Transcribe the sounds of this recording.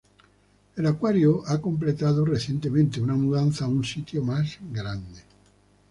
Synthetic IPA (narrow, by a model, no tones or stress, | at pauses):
elakwaɾjoʔakomp̬let̪aðoreθjent̪emẽnt̪eunamuðanθaunsit̪jomazɡɾand̪e